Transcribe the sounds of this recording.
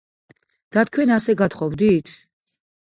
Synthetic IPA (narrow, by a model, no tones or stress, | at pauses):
d̪̥at̪̚ʰkʰwɛnasɛɡat̪χɔbd̪it̪ʰ